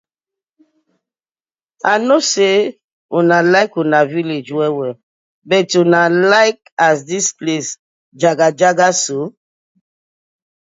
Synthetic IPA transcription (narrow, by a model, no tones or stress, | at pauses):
anose | unalaɪkunaviled͡ʒɛwɛ | bɛtunalaɪk | asdisples | d͡ʒaɡad͡ʒaɡaso